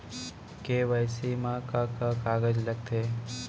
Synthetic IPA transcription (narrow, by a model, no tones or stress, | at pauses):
keːʋaɪsimãkakakaːɡəd͡ʒləɡ̚t̪ʰeː